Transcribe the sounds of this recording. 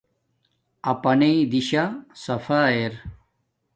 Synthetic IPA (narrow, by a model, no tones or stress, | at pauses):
ɐpɐneid̪iɕasɐfaːeɾ